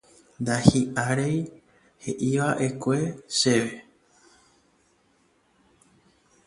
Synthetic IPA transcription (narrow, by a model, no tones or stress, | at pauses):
nd̪ahiʔaɾej | he̞̰ʔiʋaʔe̞kʷe̞ʃe̞ʋe